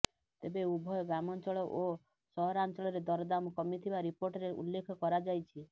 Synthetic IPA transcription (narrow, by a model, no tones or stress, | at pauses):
t̪ebeubʱɔjɔɡɾamɔnt͡ʃɔɭɔʔo | sɔɦɔɾant͡ʃɔɭɔɾed̪ɔɾɔd̪amɔkɔmit̪ʰibaɾipoɾʈɔɾeṵlːekʰɔkɔɾad͡ʒajt͡ʃʰi